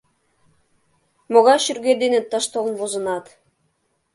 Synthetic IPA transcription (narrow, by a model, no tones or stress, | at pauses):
moɣɑɕyɾɡʲed̪enet̪ːɤʃt̪olˠnbozɤ̆nɑt̪